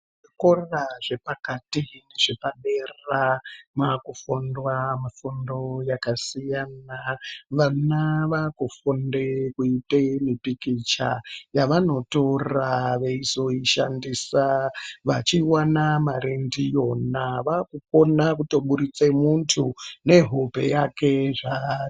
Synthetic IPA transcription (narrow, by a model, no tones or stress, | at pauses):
ʐikorraʐe̞pakatine̞ʐepaɗeramakufondwamafondo̞jakasijanaʋanaʋakufondekuitemipikit͡ʃajaʋano̞to̞raʋeizo̞iʃandisaʋat͡ʃiwanamaɾendijo̞naʋakuko̞nak̬uto̞ɓuɾit͡se̞muntʰune̞ɦope̞̰jake̞ʐa